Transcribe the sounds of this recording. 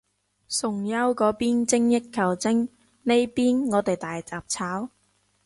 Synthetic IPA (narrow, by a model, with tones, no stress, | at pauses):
sʊ˨˩ŋjɐ˥wkɔː˨˥piː˥nt͡sɪ˥ŋjɪ˥t̚kʰːɐ˨˩wt͡sɪ˥ŋ | ne˥jpiː˥nŋɔː˨˧t̪e˨jt̪aː˨jt͡saː˨p̚t͡sʰaː˨˥w